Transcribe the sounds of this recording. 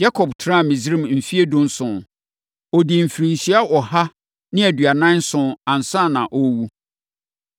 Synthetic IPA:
ja˦kʰɔ˨btʰɾã˦˨mĩ˨zɾĩ˦˨mm̩˨fi˦e˦dʊ̃˦n˦sʊ̃˨ | ɔ˨di˨m̩˨fi˨ɾĩ˨n˨si˦a˦ʔɔ˨ha˦ | nɪ̃˦æ˨dɥa˨nã˦n˦sʊ̃˨ã˨n̩˨sã˦˨nã˨ʔɔ˦wu˦

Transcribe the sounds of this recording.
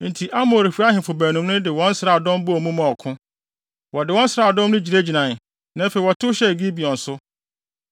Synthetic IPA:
n̩˨tʰi˨ʔa˦mo˨ɾi˨fu˦a˦ɦɪ̃˨fʊ˨bæː˨nũ˨m˦nʊ̃˦dɪ˨wɔ̃˦n̩˦sɾa˨dɔ̃˦m˦bʊ˦ɔ˨mũ˦mã˨ɔ˨kʰʊ̃˦ | wɔ˨dɪ˨wɔ̃˦n̩˦sɾaː˨dɔ̃˦mnʊ̃˦d͡ʑi˨ɾe˦d͡ʑi˨nã˨ | nã˨˦fe˨wɔ˨tʰʊ˦ɕɛ˦˨ɡi˦bi˨ɔ̃˨n̩˨sʊ˦

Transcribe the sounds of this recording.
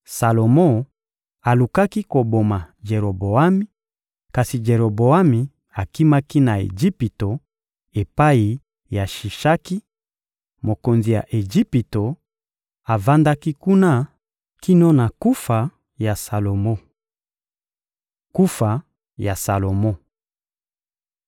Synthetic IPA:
sa˨lo˨mɔ̃˦ | a˨lu˨ka˦ki˦ko˨bo˨ma˨d͡ʒe˨ʁo˨bo˨a˦mi˦ | ka˨si˨d͡ʒe˨ʁo˨bo˨a˦mi˨ | a˨ki˦ma˦ki˦na˨ḛ˨d͡ʒi˦pi˨to˨ | e˨pa˦i˨ | ja˨ʃi˨ʃa˦ki˦ | mo˨ko˨nzi˨ja̰˨ʔe˨d͡ʒi˦pi˨to˨ | a˨va˦nda˦ki˦ku˦na˦ | ki˦nɔ˦na˨ku˦fa˨ | ja˨sa˨lo˨mɔ˦ | ku˦fa˨ | ja˨sa˨lo˨mɔ˦

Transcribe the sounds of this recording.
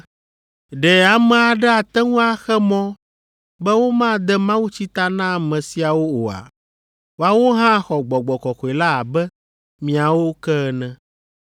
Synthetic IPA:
ɖɛ˨a˨mɛ̃˨a˨ɖɛ˦a˨t̪ɛ˦ŋũ˦a˦xɛ˦mɔ̃˦ | bɛ˦wo˦mã˦˨d̪ɛ˦mã˦wu˦t͡ɕi˦t̪a˦nã˦˨mɛ̃˨si˨a˨wo˦o˨a̰˨ | wo˦a˦wo˦ɦã˦xɔ˨ɡ͡bɔ˨ɡ͡bɔ˨kɔ˨xɔ˨e˨la˦˨bɛ˦ | mĩ˨a˨wo˦kɛ˦nɛ̃˨

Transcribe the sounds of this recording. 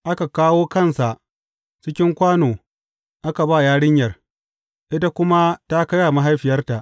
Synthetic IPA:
ʔa˦ka˨kaː˦woː˦kɐ˦˨nsa˨ʔ | t͡ʃɪ˦kʲɪ˦ŋkʷaː˦noː˨ | ʔa˦ka˨baː˦˨jaː˦ɽɪ˦ɲjɐ˨r | ʔɪ˦ta˦kʷʊ˦ma˦ta˦kɐ˦ja˨ma˦ɦa˦jɸɪ˨jɐ˦rta˨ʔ

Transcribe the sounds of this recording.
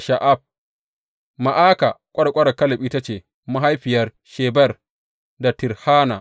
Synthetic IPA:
ʃa˨ʔa˦˨b̚ | ma˨ʔaː˦ka˨kʷʼɐ˦ɽa˨kʷʼɐ˦ɽa˨kɐ˦lɐ˨pi˦ta˦t͡ʃeː˨ | ma˦ɦa˦jɸɪ˨jɐ˦r | ʃeː˨bɛ˦˨r | da˨tɪ˨ɾhaː˦na˨

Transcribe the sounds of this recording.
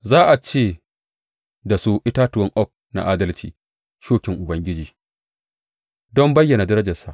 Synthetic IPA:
zaː˦ʔa˨t͡ʃeː˦˨ | da˨su˨ʔɪ˦taː˦tʊ˨wɔ˦ŋʔɔ˦˨k̚na̰˨ʔaː˦dɐ˦lt͡ʃiː˨ | ʃoː˦kʲɪ˨ŋʔʊ˨bɐ˦ŋɡʲɪ˦d͡ʒiː˨ | dɔ˦mbɐ˦jːɐ˨na˨dɐ˦ɾɐ˦d͡ʒɐ˨sa̰˨ʔ

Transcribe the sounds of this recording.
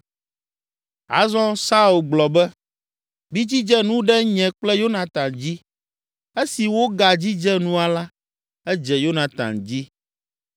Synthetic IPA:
a̰˦zɔ̃˦sa˦u˨lɡ͡blɔ˨bɛ˦ | bi˦d͡ʑi˦d͡ʒɛ˦nũ˦ɖɛ˦ɲɛ̃˨k͡plɛ˦jo˦nã˨t̪ã˨nd͡ʑi˦ | e˦si˨wo˦ɡa˨d͡ʑi˦d͡ʒɛ˦nũ˦a˨la˦ | ɛ˦d͡ʒɛ˨jo˦nã˨t̪a̰˨nd͡ʑi˦

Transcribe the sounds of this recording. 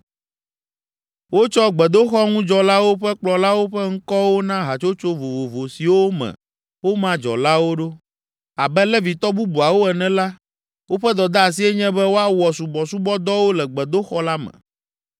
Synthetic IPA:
wo˦t͡ʃɔ˦ɡ͡bɛ˨d̪o˦xɔ˦ŋũ˦d͡ʒɔ˨la˦wo˦ɸɛ˦k͡plɔ˨la˦wo˦ɸɛ˦ŋ̩˦kɔ˦wo˦nã˦ɦa˨t͡ʃo˦t͡ʃo˦vo˨vo˨vo˨si˨wo˦mɛ̰̃˨ | wo˦mã˦d͡ʒɔ̰˨la˦wo˦ɖo˦ | a˨bɛ˦lɛ˦vi˨t̪ɔ˦bu˦bu˨a˨wo˦ɛ˨nɛ̃˦la˦ | wʔo˦ɸɛ˦d̪ɔ˨d̪a˦a˨s̬i˦ɛ˦ɲɛ̃˦bɛ˦wo˦a˦wɔ˨su˨bɔ˨su˦bɔ˦d̪ɔ˦wo˦lɛ˨ɡ͡bɛ˨d̪o˦xɔ˦la˦mɛ̰̃˨

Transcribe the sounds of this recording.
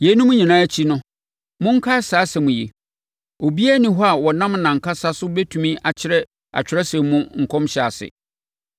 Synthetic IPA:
je˨˦nʊ̃˦mʊ̃˦ɲĩ˨nãː˦æ˦t͡ɕʰi˦nʊ̃˦ | mʊ̃˦ŋ̩˦kʰa˦saː˨˦sɛ˨mũ˨jḛ˨ | o˨bi˦æ˦nɪ̃˨ɦɔ˦a˨wɔ˨nã˦mnã˨ŋ̩˨kʰa˦sa˦sʊ˦bɛ˦tʰũ˨mĩ˦ʔa˨t͡ɕʰɪ˦ɾɛ˦ | a̰˨t͡ɕᶣɪ˨ɾɛ˦sɛ̃˨mmũ˦ŋ̩˨kʰɔ̃˦mɕɛ˨a̰˨sɪ̰˨

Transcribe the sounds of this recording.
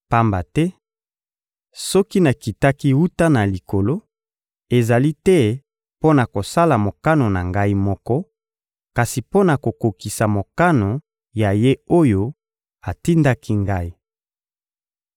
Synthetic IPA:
pa˦mba˨tɛ˦ | sɔ˦ki˦na˨ki˨ta˦ki˦wu˦ta˦na˨li˨ko˨lo˦ | e˨za˨li˦tɛ˦ | po˦na˨ko˨sa˦la˨mo˨ka˦no˨na˨ŋɡa˦i˦mɔ˦kɔ˦ | ka˨si˨po˦na˨ko˨ko˨ki˨sa˨mo˨ka˦no˨ | ja˨je˦o˦jo˦ | a˨ti˦nda˦kʰi˦ŋɡa˦i˦

